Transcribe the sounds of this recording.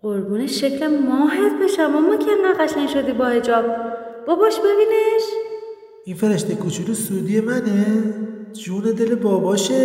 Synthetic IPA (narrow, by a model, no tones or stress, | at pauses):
ʔoɾbuːneʃːecʰlemɔːɦet̪beʃamɒːmomcʲʰenːæɣæʃænʃod̪iːbɒːhe̞d͡ʒɒːb̥̚b̥ɒːbɒʃbe̞biːneʃ | infeɾeʃt̪ekʰut͡ʃʰuːlesuːd̪iːjemæne | d͡ʒuːned̪e̞lebɒːbɒːʃe